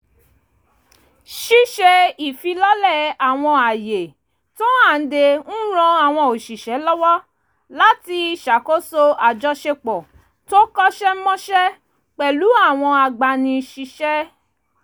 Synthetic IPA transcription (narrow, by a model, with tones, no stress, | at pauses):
ʃi˦ʃɛ˧i˨fi˨˧lɔ˦lɛ˦˨a˨w̃ɔ̃˧a˨je˨ | to˦a˦˨n̩˦de˧n̩˦ɾ̃ɔ̃˧a˨w̃ɔ̃˧o˨ʃi˨ʃɛ˨˦lɔ˦wɔ˦ | la˨˦ti˧ʃa˨ko˦so˧a˨d͡ʒɔ˧˦ʃe˧k͡pɔ˨ | to˦kɔ˦ʃɛ˦m̩˦mɔ̃˦ʃɛ˦ | k͡pɛ˨lu˨˦a˦˨w̃ɔ̃˧a˨ɡ͡ba˧nĩ˧ʃi˧ʃɛ˦